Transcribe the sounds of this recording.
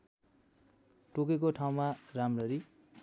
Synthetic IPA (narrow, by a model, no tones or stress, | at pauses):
ʈok̬ek̬oʈʰaw̃maramrʌɾi